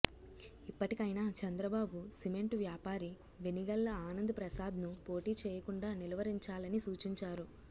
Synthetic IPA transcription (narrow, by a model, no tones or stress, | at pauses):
ipːɐʈikɐjnaːt͡ʃɐnd̪ɾɐbaːbusime̞ɳʈʋjaːpaːɾi | ʋeniɡɐlːɐaːnɐnd̪ɐpɾɐsaːd̪ʱnupo̞ːʈiːt͡ʃɛːjɐkuɳɖaːnilɐʋɐɾiɲt͡ʃaːlɐnisuːt͡ʃiɲt͡ʃaːɾu